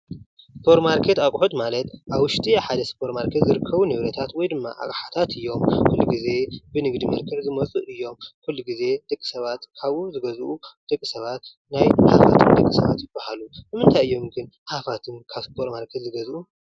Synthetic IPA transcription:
spʰo̞ɾmaɾkʰe̞t̪akʷʼħut̪malɐt̪ʔaβwʊʃt̪ʰʼiaħad̪ɐspʰo̞ɾmaɾkʰet̪zɨɾɨkʰːɐβunɨβɾɐt̪ʰat̪wɔjd̪ɨmːa̰ʔa̰kʼħḁt̪ʰat̪ʰɨjːo̞mkulːuɡize̞bɨnɨɡd̪imɐɾkʰɐʕzɨmɐt͡sʼɨʔɨjːo̞mkulːuɡize̞d̪̥ɐkʼːi̥sɐβat̪kʰaβuzɨɡɐzʔud̪̥ɐkʼːisɐβat̪ | najhafa̰t̪ʰɨnd̪ɐkʼːisɐβa̰t̪jɪbahalubɨmɨnt̪ʰajɨjːo̞mɡɨn | hafat̪ʰɨnkʰaβspʰo̞ɾtmaɾkʰet̪zɨɡɐzʔu

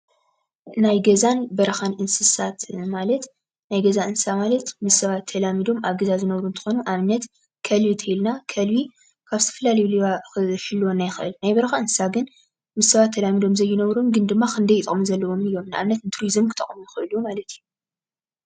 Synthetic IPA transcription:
najɡɐzanbɐɾɐxanʔɨnsɨsat̪malɐt̪ | najɡɐzaʔɨnssamalɐt̪mɨzsɐβat̪ʰːɐlamid̪o̞mʔaβɡɐzazɨnɐβɾuɨnt̪ʰxo̞nuʔaβnɐt̪ | kʰɐlβit̪ʰɐilnakʰɐlwi | kʰaβzɨt̪ʰɐfɐlalɐjuliβaxɨʃɨlːwonːajɪxɨʔɨ̰lnajbɐɾɐxaɨnsɨ̥saɡɨn | mɨzsɐβat̪ʰːɐlamid̪o̞mzɐjːɪnɐβɾumɡɨnd̪ɨmːaxʰɨnd̪ɐjɪt̪ʼɨχʼmuzɐlːɐwo̞mnɨjːo̞mnaʔa̰βnɐt̪ɨnt̪ʰɨɾizɨmkʰɨt̪ʼɐ̰χʼmujɪxɨʔɨljumalɐt̪ʰijːu

